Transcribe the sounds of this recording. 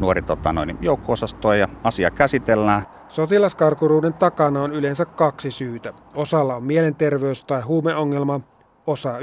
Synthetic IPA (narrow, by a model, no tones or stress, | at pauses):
nuorit̪ot̪ɑno̰inijoˑukːoːsɑst̪oˑejɑɑsiɑkæsit̪elːæː | so̞t̪ilɑskɑrkuɾuːde̞nt̪ɑkɑnɑonyle̞nsækkɑksisyːt̪æ | o̞sɑlːɑomːiele̞nt̪e̞rʋe̞ust̪ɑjɦuːmeʔo̞ŋːelmɑ | o̞sɑ